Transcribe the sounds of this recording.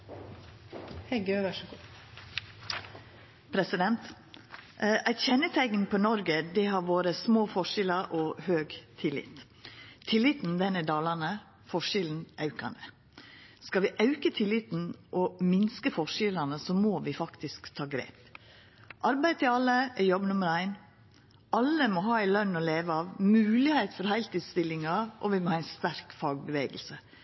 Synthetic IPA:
hɛɡøʋɑʂɡu | pʰɾɛsɪd̪ɛnt̪ | ʔæɾçɛnːət̪ʰæɪɡən̩pʰɔnɔɾɡəd̪ɛɦɑɾʋoːɾəsmoːfɔʂɪlɑɾʔɔhøːɡt̪ʰɪlɪ̰t̪ | t̪ʰɪlɪt̪n̩d̪ɛnəd̪ɑːlɑnə | fɔʂɪln̩ʔɑʉkɑ̰nə | skɑʋɪʔɑʉkət̪ʰɪlːɪt̪n̩ʔɔmɪnskəfɔʂɪlɑnəsɔmoːʋɪfɑkt̪ɪskt̪ʰɑːɡɾḛːp | ʔɑɾbæɪt̪ɪlɑlːəɛɾjɔbːnʊməɾæɪn | ʔɑlːəmɔɦɑːæɪlœnːɔleːʋəɑʋmʉːlɪheɪt̪fɔɾɦæɪlt̪iːd̪st̪ɪlːɪŋɑʔɔ̰ʋɪmɔhɑɪnst̪æɾkfɑːɡ̚bəʋeːɡəlsə

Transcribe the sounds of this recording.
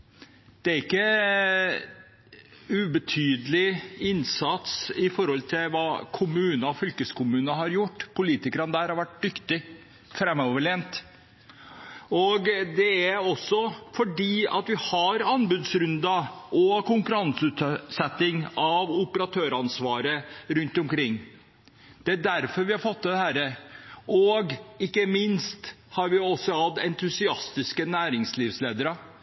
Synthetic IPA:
d̪̥ɛæɾɪkːə | ʉbət̪ʰyːd̪əlɪɪnsɑt̪sɪfɔɾhɔlt̪ʰɪlʋɑːkʰʊmʉːnɑɔfʏlkəskʊmʉːnəɦɑɾjʊʈːpʰʊliːt̪ɪkəɾənd̪æːɾhɑɾʋæʈ̚d̪ʏkt̪ɪ | fɾɛmoːʋəɭeːnt̪ | ɔɡd̪ɛæɾɔsːɔfɔɖiːɑ̰t̪ʋɪhɑɾɑnbʉːd̪sɾʉnd̪ɑʔɔkʊŋkʉɾɑnsʉːt̪sɛt̪ːɪŋɑʋʊpəɾɑt̪ʰøːɾɑnsʋɑːɾəɾʉnt̪ɔmkʰɾɪŋː | d̪̥ɛæɖæɾfɔɾʋɪhɑɾfɔt̪ːɛd̪ɛhæːɾəʔoɡɪkːəmɪnst̪hɑɾʋɪɔsːɔhɑd̪ɛnt̪ʰʉsɪɑst̪ɪskənæːɾɪŋsliːʋsleːd̪əɾə

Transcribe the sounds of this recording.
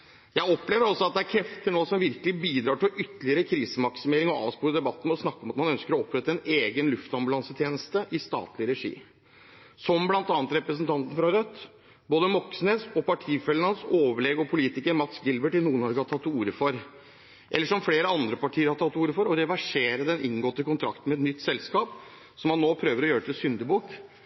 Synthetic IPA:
jæɪɔpleːʋəɾɑlsɔɑt̪̚d̪ɛæɾkʰɾɛft̪t̪ʰɪlnoːəsɔmʋɪɾkəlɪbiːd̪ɾɑːʈɪlʔʏt̪ːəlɪəɾəkʰɾiːsəmɑksɪmeːɾɪŋɔɑ̰ːʋspuːɾəd̪ɛbɑt̪ːn̩ɔsnɑkːɔmɑt̪mɑnœnskəɾɔɔpːɾɛt̪ːəɛneːɡənlʉft̪ɑmbʉlɑnsət̪ʰjeːnəst̪əʔɪst̪ɑ̰ːt̪lɪɾɛʂḭː | sɔmblɑnt̪ɑːnət̪ɾɛpɾəsənt̪ʰɑnt̪n̩fɾɑɾœt̪ː | boːd̪əmɔksnesɔpɑʈʰiːfɛlənɑnsoːʋəɭɛɡɔpʰʊliːt̪ɪkəɾmɑt̪sɡɪlbəʈɪnuːənɔɾɡəhɑt̪ʰɑt̪ːuːɾəfɔɾ | ʔɛ̰lːəʂɔmfleːɾəɑnd̪ɾəpɑʈʰiːəɾhɑɾt̪ʰɑt̪ːuːɾəfɔɾɔɾɛʋæʂeːɾəd̪ɛnʔɪŋɡoːt̪ːəkʊnt̪ʰɾɑ̰kt̪n̩mɛt̪nʏt̪ːsɛlskɑːp | sɔmhɑnːoːpʰɾøːʋəɾɔjøːɾət̪ʰɪlsʏnd̪əbuːk

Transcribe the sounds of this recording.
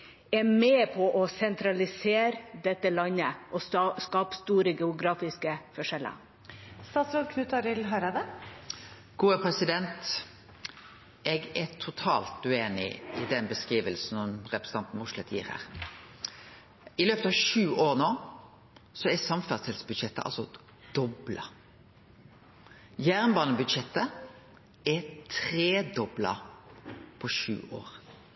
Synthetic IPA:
ɛmeːpʰɔʔɔsɛnt̪ʰɾɑlɪseːɾd̪ɛt̪ːəlɑnːəʔɔskɑːpst̪uːɾəɡɛʊɡɾɑːfɪskəfɔʂɛlːə̰ | st̪ɑːt̪sɾɔlkʰnʉt̪ɑɾɪlɦɑɾɑd̪ə | ɡ̥uːəpʰɾɛsɪd̪ɛnt̪ | ʔɛɡɛt̪ʰʊt̪ʰɑ̰ːlt̪ʉeːnɪ̰ɪd̪ɛnbəskʁiːʋəlsn̩ɔmʁɛpɾəsəɑnt̪n̩mʊʂlɛt̪ʰjḭːɾhæ̰ːɾ | ɪløːpət̪ɑʋʃʉːʔoːɾnoː | sɔɛsɑmfæst̪ɛlsbʉd̪ʃɛt̪ːəʔɑ̰lsɔ | d̪̥ɔblɑ | jæːʁnbɑːnəbʉd̪ʃɛt̪ːə | ɛt̪ʰɾeːd̪ɔblɑ̰ | pʰɔʃʉ̰ːʔo̰ːɾ

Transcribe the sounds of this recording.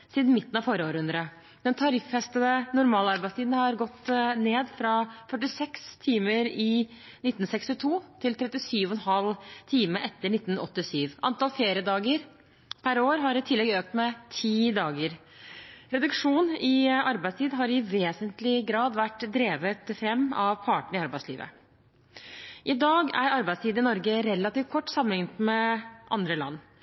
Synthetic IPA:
siːd̪n̩mɪt̪ːn̩ɑʋfɔɾəoːɾəʉnd̪ɾə | d̪ɛnt̪ʰɑɾɪfhɛst̪əd̪ənʊɾmɑːlɑɾbæɪst̪iːd̪n̩hɑɾɡɔt̪ːneːd̪fɾɑfœʈːɪsɛkst̪ʰiːməɾɪ | nɪt̪ːn̩sɛkst̪ɪt̪ʰuːt̪ʰɪlt̪ʰɾɛt̪ːɪsyːʋɔnɦɑlt̪ʰiːməʔɛt̪ːəɳɪt̪ːn̩ɔ̰t̪ːɪsyːʋʔɑ̰nt̪ɑːlfeːɾɪəd̪ɑːɡəɾ | pʰæɾoːɾɦɑɾɪt̪ʰɪlːɛɡøːk̚t̪mɛt̪ʰiːd̪ɑːɡəɾ | ɾɛd̪ʉkʂuːnɪɑɾbæɪst̪ʰiːd̪ɦɑɾɪʋeːsənt̪lɪɡɾɑːd̪ʋæʈːd̪ɾeːʋət̪fɾɛmːɑʋpʰɑːʈɳ̩ɪɑɾbæɪslḭːʋə̰ | ʔɪd̪ɑːɡæɾɑɾbæɪst̪ʰiːd̪ɪnɔɾɡəɾɛlːɑt̪iːʋ̚kʰɔʈːsɑmːənɪŋət̪mɛʔɑ̰nd̪ɾəlɑ̰nː

